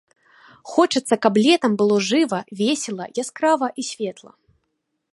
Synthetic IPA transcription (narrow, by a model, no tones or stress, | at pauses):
xɔt͡ʂɨt̪sːɐkablʲɛt̪ɐmbɨlˠɔʐɨvɐvʲesʲɛlˠɐ̰jaskɾavɐʔisʲvʲɛt̪lˠɐ̰